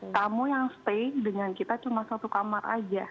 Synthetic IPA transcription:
k̪amujaŋst̪ek̚dəŋankit̪at͡ʃumasat̪ukamara̰d͡ʒa

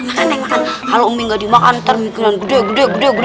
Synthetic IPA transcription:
anaankalomiŋɡadimaka̰nt̪ərmikinanɡudeɡudeɡudɛɡud

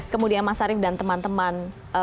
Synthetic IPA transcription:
kəmudianmasaɾɪfdant̪əmant̪əman | ʔə

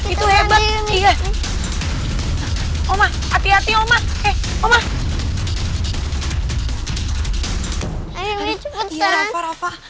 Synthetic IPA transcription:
it̪ueba | ija | omah | at̪iat̪iomaɛomah | aaafa

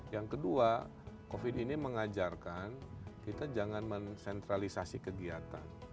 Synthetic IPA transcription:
jaŋkədua | kofidiniməŋad͡ʒarkankit̪ad͡ʒaŋanmənsɛnt̪ɾalisasikəɡiat̪an

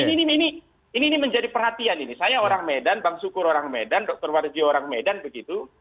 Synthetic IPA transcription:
ininiini | iniːniməɲd͡ʒadipərhat̪ianinisajaoɾaŋmedanbaŋsukʊɾoɾaŋmedandɔk̚t̪ɔrward͡ʒioɾaŋmedanbəɡit̪u

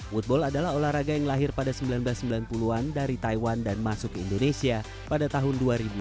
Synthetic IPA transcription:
wut̪̚bɔladalaholahɾaɡajaŋlaɦɪrpadasəmbilanblasːəmbilanpuluandaɾit̪aiwandanmasʊkəindonesia | padat̪aɦʊnduaɾibu

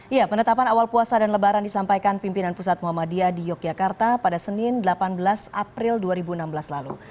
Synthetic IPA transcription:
ijapənət̪apanawalpuasadanləbaɾandisampajkanpimpinanpusat̪̚muɦamadiadijɔk̚d͡ʒakart̪apadasənɪndəlapanbəlasapɾɪlduaɾibuənambəlaslalu

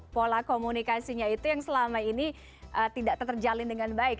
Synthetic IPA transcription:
polakomunikasiɲait̪ujaŋsəlamaini | ʔət̪idaʔt̪ərd͡ʒalɪndəŋanbaɪk̚

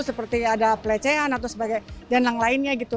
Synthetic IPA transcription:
səpərt̪iadapəlet͡ʃeɦanat̪owsəbaɡajdanjaŋlaɪnɲaɡit̪u

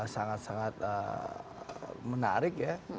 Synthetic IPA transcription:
saŋat̪̚saŋat̪̚ə | məna̰ɾɪk̚ja

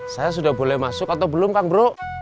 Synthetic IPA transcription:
sajas̬udahbolɛhmasʊkat̪awbəlʊmkaŋbəɾo

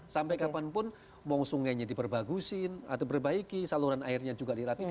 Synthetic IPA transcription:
sampajkapanpʊn | mɔŋsuŋajɲadipərbaɡusɪna̰t̪awbərbaikisaluɾana̰ɪrɲad͡ʒuɡadiɾat̪i

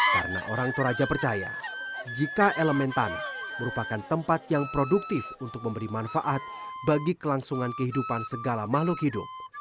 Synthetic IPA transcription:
ka̰ɾəna̰ʔoɾaŋt̪oɾad͡ʒapərt͡ʃaja̰d͡ʒikaʔeləmɛnt̪a̰nməɾupakant̪əmpat̪jaŋpɾoduk̚t̪ɪfunt̪ʊk̚məmbəɾimanfaʔat̪̚baɡikəlaŋsuŋankəɦidupansəɡalamahlʊkhidʊ̰p̚

